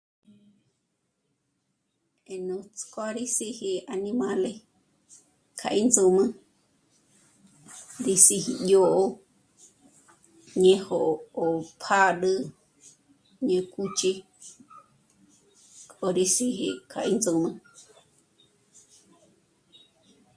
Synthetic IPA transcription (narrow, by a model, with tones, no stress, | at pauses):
e˨nũ˧t͡skwa˦ɾi˦si˦hi˧a˧nĩ˧mã˧le˦ | kʰa̰˨ʔi˦nd͡zu˧mɨ̃˦ | ɾi˧si˧hi˧jo˦˧ʔo˦ | ɲẽ˧ho˨ʔo˨pʰa˦ɗɨ˧ | ɲẽ˧ku˦t͡ʃi˦ | kʼo˧ɾi˦si˧ɦi˧kʰa̰˨ʔi˦nd͡zu˧mɨ̃˦